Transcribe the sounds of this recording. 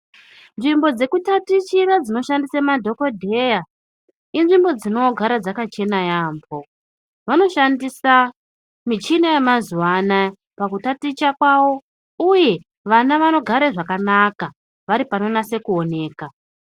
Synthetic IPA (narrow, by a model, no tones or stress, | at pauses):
nʐimbo̞d͡ze̞kutatit͡ʃirad͡zino̞ʃandisamadʱo̞ko̞dʱe̞ja | inʐimbo̞d͡zino̞ɡʱaɾad͡zakat͡ʃe̞najaːmbo̞ | ʋano̞ʃandisa | mit͡ʃinajamazuwana | pakutatit͡ʃakwawo̞ | uje̞ | ʋanaʋano̞ɡʱaɾeʐakanaka | ʋaɾipano̞nase̞kuo̞ne̞ːka